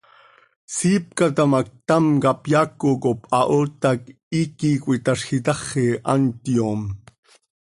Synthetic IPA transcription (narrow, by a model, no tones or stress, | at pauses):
siːp̚kat̪amak̚t̪amkapjakokopɑʔoːt̪ak | iːkikʷit̪aʃxit̪ɑχeʔa̰nt̪jom